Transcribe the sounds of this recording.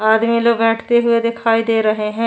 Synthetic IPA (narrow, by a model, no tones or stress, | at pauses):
aːd̪miloːɡbɛːʈʰt̪eɦʊed̪ɪkʰaːid̪eːɾɐɦeɦɛ̃ː